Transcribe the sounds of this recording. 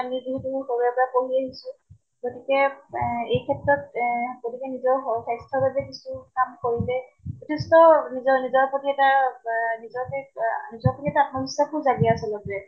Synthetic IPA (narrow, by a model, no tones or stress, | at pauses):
amiziɦɛtuxoɹuɛpɔɹapoɦiaɦisʊ̃ | ɡotikɛ | ejkʰɛtɹɔt̚ɡotikɛnizɔɹɔsajstʰɔbabɛkisukamkoɹilɛbutʰestɔnizɔnizɔɹpotiɛtanizɔɹkɛnizɔɹpotiɛtaːpnɔmisapuzaɡɛasɛlɔɡɹɛ